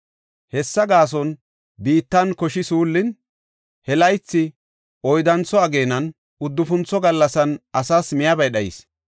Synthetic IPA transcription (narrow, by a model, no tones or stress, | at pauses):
hɛsːɐɡaːs̬ɔn | biːt̪ːɐnkɔʃɪsuːlːɪn | hɛlɐjt͡sːɪ | ɔjd̪ɐnt͡sːɔɐɡe̞ːnɐn | ʊd̪ːʊfʊnt͡sːɔɡɐlːɐsɐnʔɐsaːsmɪjɐbɐjɗɐjɪ̰s